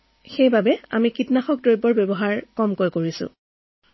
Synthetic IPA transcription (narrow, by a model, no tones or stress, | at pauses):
xejbabɛa̰mikitnaxɔk̚dojbɔɹbebɔɦaɹkɔmkojkoɹisʊ̰̃